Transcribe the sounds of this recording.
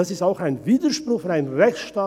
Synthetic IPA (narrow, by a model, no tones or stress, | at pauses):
asɪstaʊxaɪnviːdəʃprʊxfaɪnʁɛçt͡sʃtaː